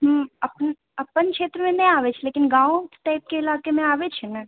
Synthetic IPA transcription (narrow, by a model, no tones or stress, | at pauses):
ɦəmɐpn | ɐpənkʃeːt̪ɾəmẽnẽaːʋet͡ʃʰleːkɪnɡãːõʈaːɪp̚keɪlaːkemẽaːʋet͡ʃʰɛnɐ